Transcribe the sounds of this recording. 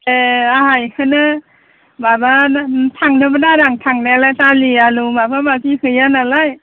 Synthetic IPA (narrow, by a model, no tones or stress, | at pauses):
eaɦajhɯnɯ | babanatʰaŋnɯbɯnaɾaŋtʰaŋnɯalajsalialumabʰabakihɯjanalaj